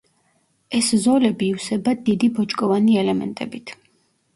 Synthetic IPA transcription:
ɛszɔlɛbiːwsɛbad̪id̪ibɔt͡ʃʼkʼɔvaniɛlɛmɛ̰nt̪ʼɛbit̪ʰ

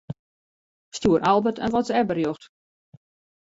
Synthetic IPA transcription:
stjuəɾʔalˠbətə̰nʋɔtsəɛbərjoxt

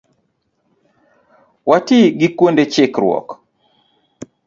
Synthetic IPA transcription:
watiɡikwondet͡ʃɪkɾwɔ̰k

